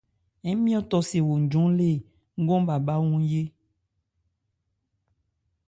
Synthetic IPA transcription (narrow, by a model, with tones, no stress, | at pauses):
ɛ˦mĩ˦ɔ˦t̪ɔ˨se˨wo˨d͡ʒɔ̃˨˦le˦˨ | ŋ̩˦ɡɔ̃˦ba˨ba˦wũ˦je˦